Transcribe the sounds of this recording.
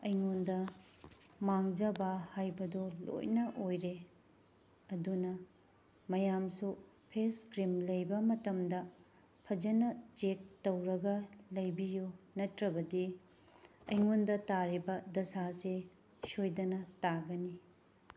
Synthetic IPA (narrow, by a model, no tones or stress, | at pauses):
ɐjŋondɐ | maŋd͡ʒɐbɐhajbɐdolo̰jnɐʔojɾe | ɐdunɐ | mɐjamsu | pʰeskɾimlɐjbɐmɐtɐmdɐ | pʰɐd͡ʒɐnɐt͡ʃek̚tɐwɾɐɡɐlɐjbijunɐtɾɐbɐdi | ɐjŋondɐtaɾibɐdɐsase | sojdɐnɐtaɡɐni